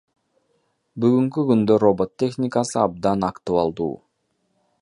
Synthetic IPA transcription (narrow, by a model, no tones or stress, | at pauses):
byɣyŋkyɡynd̪ørobot̪ʲːe̞xnʲɪkasɯɑb̚d̪ɑnɑkt̪uɑlˠd̪ṵː